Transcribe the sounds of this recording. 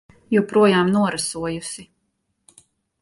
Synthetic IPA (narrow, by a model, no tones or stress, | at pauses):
jupɾuɔjaːmnuɔɾasuɔjusi